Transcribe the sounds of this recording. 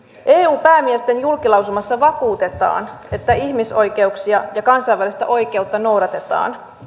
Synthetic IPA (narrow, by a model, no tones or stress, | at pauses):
ʔeːuːpæːmiest̪e̞njulkilɑws̬ulmɑsːɑʋɑkuːt̪e̞t̪ɑ̰ːne̞t̪ːæiçmiso̞jke̞uksiɑjɑkɑnsɑjʋælist̪æ̰ʔo̞jk̟e̞ut̪ːɑno̞wɾɑt̪e̞t̪ɑ̰ːn